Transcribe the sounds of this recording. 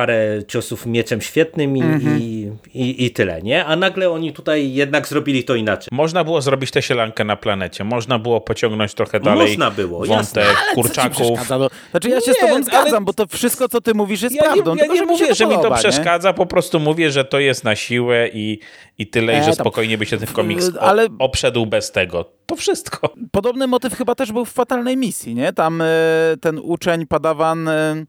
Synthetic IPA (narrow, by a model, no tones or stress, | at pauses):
paɾɛt͡ɕɔsufmʲjɛt͡ʂɛmɕfʲjɛt̪nɘmii | iʔit̪ɘlɛ̰ɲɛanaɡlɛɔɲit̪ut̪ajːɛd̪naɡzɾɔbʲilʲit̪ɔinat͡ʂɛjmɔʐnabɘwɔzɾɔbʲit͡ɕt̪ɛɕɛlaŋkɛnaplanɛt͡ɕɛmɔʐnabɘwɔpɔt͡ɕɔ̃ŋɡnɔɲt͡ɕt̪ɾɔxɛdmalɔɛjnabɘwɔ̰jvɔnst̪ɛkkːuɾt͡ʂakkufazaɔat͡ʂɨjaɕɛsɛt̪ɔbɔ̃zɡaambɔt̪ɔfʂɘst̪kɔt̪sɔt̪ɘmuvʲiʂ̬jɛsjapɾavɲdd̪ɔ̃tjaɲɛmuvjɛʐɛmit̪ɔapʂɛʂɛkad̪zapɔpɾɔst̪umuvʲjɛʐɛt̪ɔjɛst̪naɕiwɛʔi | it̪ɘlɛʐɛspɔkɔjɲɛbɘɕat̪ɪmfkɔmʲiksalɛɔpʂɛd̪wbɛst̪ɛɡɔt̪ɔfʂɘst̪kʰɔpɔd̪ɔbnɘmɔt̪ɘfxɘbat̪ɛʐbɘwfːat̪alnɛjmʲisʲjiɲɛt̪amt̪ɛnut͡ʂɛɲpad̪avan